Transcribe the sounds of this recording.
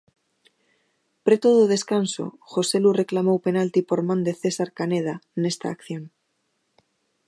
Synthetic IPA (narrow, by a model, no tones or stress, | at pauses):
pɾet̪oðoð̞eskanso̰xoselureklamowpenalt̪ipoɾmãnd̪eθesaɾkaneð̞anest̪a̰ːkθjoŋ